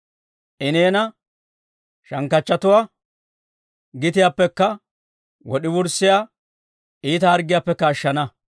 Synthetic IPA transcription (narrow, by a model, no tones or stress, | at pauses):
ʔɪneːnɐ | ʃɐŋkːɐt͡ʃːɐt̪ʊwaː | ɡɪt̪ɪjaːpːɛkːɐ | wɔɗɪwʊɾsːɪjaː | ʔiːt̪ɐːɾɡɪjaːpːɛkːɐːʃːɐnɐ